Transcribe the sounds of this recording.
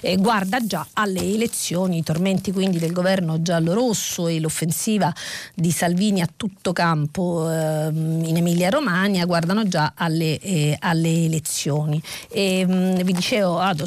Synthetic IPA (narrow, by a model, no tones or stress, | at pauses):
ɡward̪ad͡ʒaalːeːlet̪sːjoːniːt̪orment̪ikwind̪id̪elɡovɛrnod͡ʒaloɾosːoelofːensiːvad̪isalviːniat̪ːut̪ːokampo | inemiljaɾomaːnjaɡward̪anod͡ʒaalːealːeːlet̪sːjoːnievid̪it͡ʃeːvoad̪o